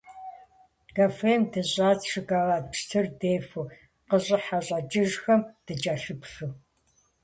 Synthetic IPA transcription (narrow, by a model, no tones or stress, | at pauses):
ɡɐfeːmdɨɕʼaːt͡sʂɨɡaːʁaːʂtʰɨrdeːfu | qəɕʼɪħaɕʼɐt͡ʃʼɪʒxɐmd̥ɨd͡ʒʼaːɬɨpʂɨ